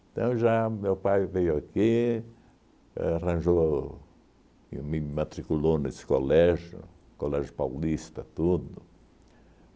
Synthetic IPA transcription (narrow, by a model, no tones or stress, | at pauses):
t̪ɐ̃w̃ʒamewpajvejʊaki | arɐ̃ʒo | mĩmat̪ɾikulonesɪ̥kolɛʒjʊ̰ | kolɛʒjʊpawlist̪ɐt̪ud̪ʊ